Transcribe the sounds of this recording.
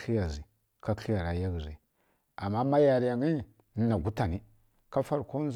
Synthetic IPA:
ɬi˦ja˨zi˨ | ka˦ɬi˦ja˨ɾa˨ja˦ɡzi˨ | a˨mːa˦ma˦ja˨ɾi˦ja˨ŋi˦˨ | n˦na˨ɡu˦ta˨ni˦ | ka˦fa˦ɾko˦z

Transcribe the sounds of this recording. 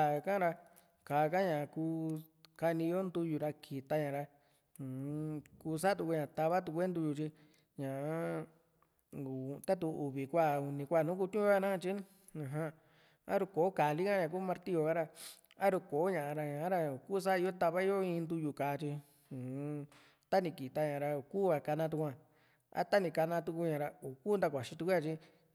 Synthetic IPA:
a˨˧kã˦ɾa˧ | kaː˨˧ka˦ɲã˨kuː˧ | ka˧nĩ˧jo˦nd̪u˧ju˨ɾa˧kʰi˨t̪a˧ɲã˨ɾa˧ | ũ˨˧kuː˧s̬a˦t̪u˧kʷu˧˦ɲã˨t̪a˧βa˦t̪̬u˧kʷe˦nd̪u˧ju˧˨t͡ʃi˧ | ɲã˨˦ | u˨t̪a˦t̪̬u˧u˨βi˨kʷa˦˨u˨˧nĩ˧kʷa˦˨nũ˦ku˧t̪ʲũ˦a˧nã˦˧t͡ʃi˦ | ã˨ɦã˧ | a̰˦ɾu˧ko˨˦ka˨li˦kã˦ã˨k̬uː˦mã˧ɾt̪i˦o˧ka˦ɾa˧ | a˦ɾu˧ko˨˦ɲã˧˨ã˧ɾa˧ɲã˨˦ɾa˧o˨kuː˦˧s̬a˦˧i˧˦o˦t̪a˧βa˦i˦o˦ĩ˧nd̪u˧ju˧ka˨˦˧t͡ʃi˧ | ũ˨˧ | t̪a˦nĩ˧˨ki˨t̪a˧ɲã˨ɾa˧o˨kuː˦˨a˧ka˧nã˧t̪̬u˧kʷã˧ | a̰˦t̪a˦nĩ˧˨ka˧nã˧t̪u˧ku˧ɲã˨ɾa˧o˨ku˦nd̪a˧kʷa˨ʃi˧t̪u˧ku˦ja˧t͡ʃi˦

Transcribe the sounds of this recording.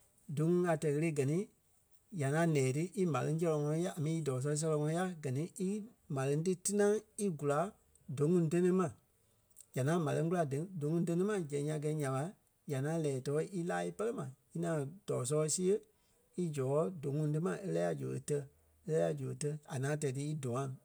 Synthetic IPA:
do˨˦ŋũ˧˦a˧tɛ˧˨ɣə˧e˧˦ɡɜ˨nĩ˦ | ja˨ŋã˨˦lɛ̃ː˨tɨ˦ʔi˦mã˨lɨ̃˧ŋ˦s̬ɛ˧lɔ˧ŋɔ̃˧ɔ̃˦ja˦a˨mĩ˨˧i˦dɔː˨s̬ɔː˧˦˧s̬ɛ˧lɔ˧ŋɔ̃˧ɔ̃˧˦ja˦ɡɜ˨nĩ˨˦i˦ | mã˨lɨ̃˧˦ŋ˦t̬ɨ˦tɨ˦nã˦i˦ɡu˨la˨˦ | do˨˦ŋũ˧˦te˦nẽ˦mã˨ | ja˨nãː˨˦mã˨lə̃˧ŋ˦k̬ula˧də˨˦do˨˦ŋũ˧˨˦t̬e˧nẽ˦mã˨d͡ʒɛ̃˨˦ã˧˨ɡɛ˧˦ɲã˨ɓa˧˦ | ja˨nã˨˦lɛː˨tɔː˧˦ʔi˦laː˦i˦pɜ˦lə˦mã˨i˦nãː˨˦˨d̥ɔː˨s̬ɔ˧si˦ə˦ | i˦d͡ʒɔ˨ɔ˨˦do˨˦ŋũ˧˦t̬ɨ˦mã˨ʔe˦lɛː˦a˧d͡ʒo̰˨o̰˧˨tɜ˧ | e˦lɛː˦ja˧d͡ʒo˨o˧˨tɜ˧a˨nãː˨˦t̬ɛ˧˨t̬ɨ˧˦i˦do˨ŋã˨

